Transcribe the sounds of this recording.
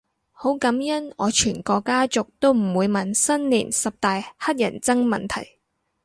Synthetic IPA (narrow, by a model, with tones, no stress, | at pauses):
ho˨˥wkɐ˨˥mjɐ˥nɔː˨˧t͡ʃʰyː˨˩nkɔː˧kːaː˥t͡sʊ˨k̚t̪o˥wm̩˨˩wuː˨˧jmɐ˨nsɐ˥nlḭː˨˩nsɐ˨p̚t̪aː˨jhɐ˥t̚jɐ̰˨˩nt͡sɐ˥ŋmɐ˨nt̪ʰɐ̰˨˩j